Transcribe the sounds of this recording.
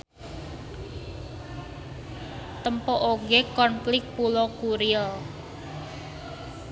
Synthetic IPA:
t̪əmpɔʔoɡekɔnflɪk̚pulokuɾiəl

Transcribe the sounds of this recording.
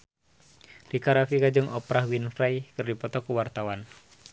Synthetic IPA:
dikaɾafikad͡ʒɨŋʔɔpɾahwinfɾajkɨrdipɔt̪ɔkuwart̪awan

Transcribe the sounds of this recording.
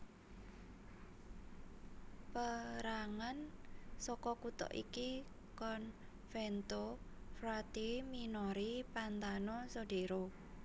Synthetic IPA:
pəɾaŋansɔkɔkut̪ɔ̰ʔḭki | kɔn | fɛnt̪ofɾat̪iminɔɾipant̪anɔsoɖ̥eɾo

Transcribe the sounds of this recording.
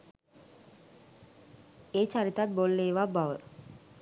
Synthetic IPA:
eːt͡ʃaɾit̪at̪̚bolːeːʋabaʋə

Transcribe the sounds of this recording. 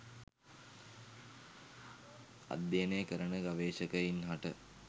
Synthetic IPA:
a̰d̪jenejkəɾənəɡaʋeːʃəkəjinɦaʈə

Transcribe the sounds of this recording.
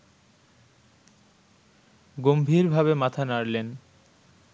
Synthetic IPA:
ɡombʱiɾbʱabemat̪ʰanaɾlen

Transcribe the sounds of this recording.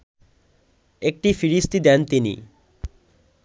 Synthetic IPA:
ek̚ʈifiɾist̪id̪ɛnt̪inḭ

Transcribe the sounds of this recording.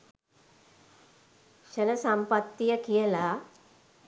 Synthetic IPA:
ɕənəsampət̪ːijəkijəla

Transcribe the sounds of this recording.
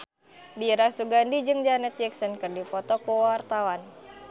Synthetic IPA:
diɾasuɡandid͡ʒɨŋd͡ʒanɛt̪̚d͡ʒɛksɔnkɨrdipɔt̪ɔkuwart̪awan

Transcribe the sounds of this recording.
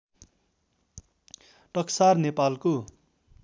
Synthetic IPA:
ʈʌksarnepalko

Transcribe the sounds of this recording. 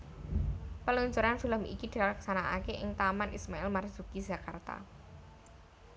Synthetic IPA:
pəlɔɲt͡ʃuɾanfiləmḭkid̥ilaksanaʔakeʔɪŋt̪amanʔismaɛlmarz̥ukid̥ʒ̥a̤kart̪a̰

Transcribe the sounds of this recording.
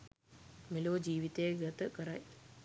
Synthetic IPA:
miloːd͡ʑiːʋit̪eːɡɐt̪ɨkɐɾaj

